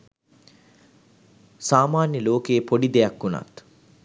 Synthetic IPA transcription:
saːmaːnjəloːkejːpoɖid̪ejɐkːuna̰t̪

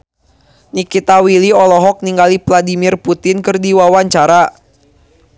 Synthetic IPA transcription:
nikit̪awiliɔlɔɦɔk̚niŋɡalipladimirput̪ɪnkɨrdiwawaɲt͡ʃaɾa

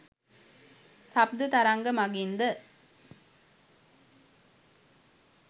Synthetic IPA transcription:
sɐb̚d̪ɨt̪ɐɾaŋɡɐmɐɡind̪ɐ

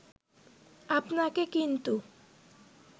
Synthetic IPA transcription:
apnakekint̪u

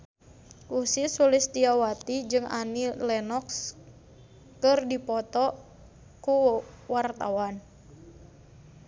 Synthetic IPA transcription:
ʔusisulist̪iawat̪id͡ʒɨŋa̰nilɛnɔks | kɨrdipɔt̪ɔ | kuwart̪a̰wan

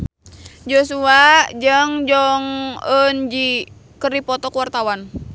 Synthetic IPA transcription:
d͡ʒosuad͡ʒəŋd͡ʒɔŋənd͡ʒi | kəripɔt̪ɔkuwart̪awan

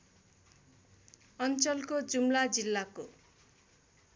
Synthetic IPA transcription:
ʌnt͡sʌlkod͡zumlad͡zilːako

